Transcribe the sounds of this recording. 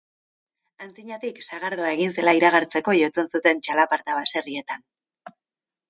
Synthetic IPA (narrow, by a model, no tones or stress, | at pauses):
ant͡siɲat̪iksaɣaɾð̞o̞ae̞ɣinse̞laiɾaɣ̞aɾt͡se̞ko̞ʝo̞t͡se̞nsut̪e̞nt͡ʃalapaɾt̪aβase̞rie̞t̪an